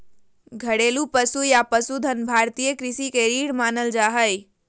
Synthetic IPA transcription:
ɡʱəɽelupəsujapəsud̪ʱənbʱaːɾt̪ijəkɾɪsikeɾiːɽmaːnəld͡ʒaːɦəj

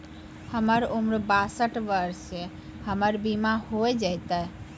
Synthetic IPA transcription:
həməɾumɾbasəʈʋəɾse | həməɾbimahoed͡ʒəjt̪ə

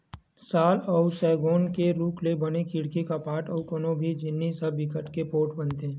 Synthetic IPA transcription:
saːlɔʊsɛːɡoːnkeɾuːkʰlebɐnekɪɽkikapaːʈɔːkonõbʱid͡ʒɪnːisɐbbɪkəʈkepoːʈbɐnt̪ẽː

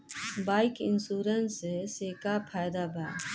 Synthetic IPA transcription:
baːɪkɪ̰nsuːɾənseseːkapʰaːjd̪abʱaː

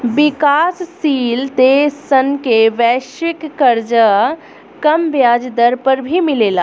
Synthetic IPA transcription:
bikasːiːlt̪esənkeʋɛʃʋikːəɾd͡ʒə | kəmbjaːd͡ʒd̪əɾpəɾbʱimileːla

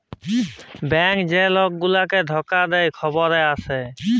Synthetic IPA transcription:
bɛŋkd͡ʑeloɡːulaked̪ʱɔkːad̪ejkʰɔboɾeasʰe

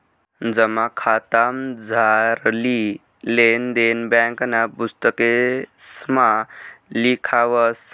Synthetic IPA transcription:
d͡zəmakʰat̪amd͡zʱaɾli | lend̪enbaŋkənapust̪əkesmalikʰaʋəs

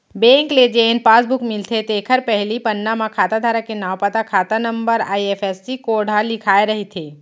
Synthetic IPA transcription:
bẽːŋkled͡ʒeːnpaːsbʊkmɪlt̪ʰet̪eːkʰəɾpɛɦlipɐnːamãkʰaːt̪ad̪ʱaːɾakenaːwpat̪akʰaːt̪anə̃mbəɾa̰ːieːfɛːsːikoːɽ̤ʱalɪkʰaːeɾɐɦit̪ʰeː

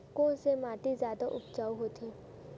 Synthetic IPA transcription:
kõːsemaːt̪izjaːd̪aʔʊpt͡ʃaːuɦoːt̪ʰiː

